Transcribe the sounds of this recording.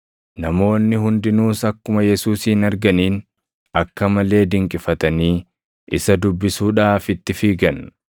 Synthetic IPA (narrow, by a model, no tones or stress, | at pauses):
nɐmo̞ːnːɪhʊnd̪ɪnuːsɐkːʊmɐjɛsuːsiːnɐɾɡɐniːn | ɐkːɐmɐle̞ːd̪ɪŋkʼɪfɐt̪ɐniː | ʔɪsɐd̪ʊbːɪsuːᶑaːfɪt̪ːɪfiːɡɐn